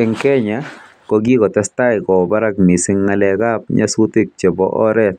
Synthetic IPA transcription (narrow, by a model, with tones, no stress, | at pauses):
ɛ˨ŋkɛ˦ɲa | ko˧ɡi˦kɔ˨t̪ɛst̪a˦jkɔ˨ba˦ɾa˦kmi˨sɪ˦ŋːalɛ˨ɡa˦p̚ɲa̰˦su˦t̪i˦k̚t͡ʃe˨bɔ̰˨ʔɔ̰˦ɾɛt̪̚